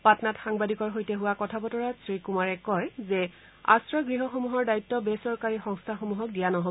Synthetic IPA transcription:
patnatxaŋbadikɔɹxojtɛɦuwakɔtʰabɔtɔɹasɹikumaɹɛkɔjzɛ | a̰stɹɔɡɹiɦɔxomuɦɔɹdaitːɔbesɔɹkaɹixɔŋstʰaxomuɦɔk̚dijanɔɦo

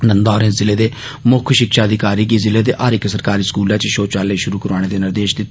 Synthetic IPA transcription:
nənd̪aːɾẽnzɪleːd̪eː | mʊkʰʃɪkʃaːd̪iːkaːɾiːɡiːzɪleːd̪eːʔaːɾɪksəɾkaːɾiːskuːlãːt͡ʃʃoːt͡ʃaːleːʃʊɾuːkəɾaːɽ̃eːd̪eːnɪɾd̪eːʃd̪i

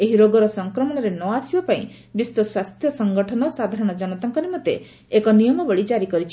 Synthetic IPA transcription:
eɦiɾoɡɔɾɔsɔŋkɾɔmɔɽ̃ɔɾenɔasibapaĩ | bist̪ɔswast̪ʰjɔsɔŋɡɔʈʰɔnɔsad̪ʱaɾɔɽ̃ɔd͡ʒɔnɔt̪ɔŋkɔɾemɔt̪eː | kɔnijɔmɔbɔɭid͡ʒaɾikɔɾit͡ʃʰi̥

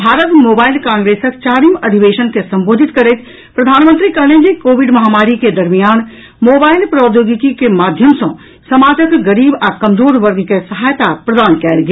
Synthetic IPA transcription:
bʱaːɾət̪moːbaːɪlkãːŋɡɾeːsəkt͡ʃaːɾimɐd̪ʱiʋeːʃənkesɐ̃mboːd̪ʱit̪kɐɾet̪ | pɾɐd̪ʱaːnmə̃nt̪ɾikɐɾned͡ʒikoːʋiɖmɐɦaːmaːɾiked̪ɐɾmijaːn | moːbaːɪlpɾɔːd̪joːɡikikemaːd̪ʱjəmsɐ̃ | sɐmaːd͡ʒəkɡɐɾiːbakɐmd͡ʒoːɾʋəɾɡkesɐɦaːjt̪apɾɐd̪aːnkɛːlɡ

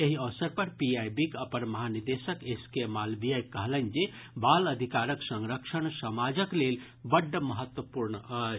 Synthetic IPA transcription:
eɦiəʋsəɾpəɾpiajbikəpənməɦaniɾd̪esəkeskemalbijajkəɦlənd͡ʒe | baləd̪ʱikaɾəksəŋɾəkʃəɳsəmad͡ʒəklel | bəɖːəməɦət̪wəpuɾɳə

